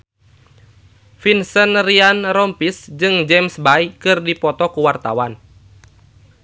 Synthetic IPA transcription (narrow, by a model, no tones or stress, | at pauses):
finsənrianɾɔmpisd͡ʒɨŋd͡ʒɛmsbajkɨrdipɔt̪ɔkuwart̪a̰wan